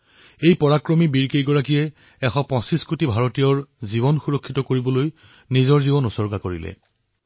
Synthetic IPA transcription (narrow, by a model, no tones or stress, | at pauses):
ejpɔɹakɹomibiɹkejɡɔɹakijɛ | ɛxɔpɔ̃siskutibʱaɹotijɔɹzibɔnxuɹɔkʰːitɔkoɹibɔloj | nizɔɹzibɔnɔsɔɹɡakoɹḭlɛ̰